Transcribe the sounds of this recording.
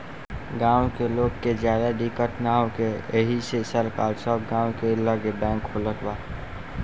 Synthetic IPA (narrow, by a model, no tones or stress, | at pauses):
ɡãːwkeloːɡked͡ʒjaːd̪aɖikəʈnaõkeəɦisesəɾkaːlsəbɡãːwkeləɡebɛ̃ːŋkʰːolək̪baː